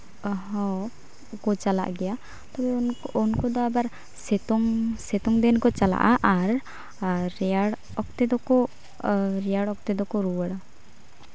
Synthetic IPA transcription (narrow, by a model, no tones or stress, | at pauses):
ɔɦɔ | kɔt͡ʃala̰ʔɡɛja | t̪ɔbɛɔnkɔd̪ɔabaɾ | sɛt̪ɔŋsɛt̪ɔŋd̪ɛnkɔt͡ʃala̰ʔaʔaɾː | ɛaɽ | ɔk̚t̪ɛd̪ɔkɔ | ɾɛjaɽɔk̚t̪ɛd̪ɔkɔɾuwaɽa